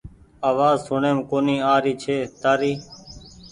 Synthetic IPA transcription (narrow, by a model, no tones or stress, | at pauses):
aːʋaːzsʊɳeːmkoːniːaːɾiːt͡ʃʰeːt̪aːɾiː